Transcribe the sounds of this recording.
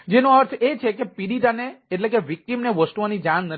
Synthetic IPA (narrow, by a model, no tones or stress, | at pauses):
d͡ʒenoaɾt̪ʰet͡ʃʰekepiɽit̪aneːʈlekeʋik̚ʈimneʋəsʈuʋanid͡ʒãnːə